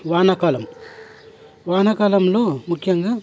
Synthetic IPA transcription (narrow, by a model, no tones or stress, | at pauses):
ʋaːnɐkaːlɐm | ʋaːnɐkɐːlɐmloːmukʰjɐŋɡaː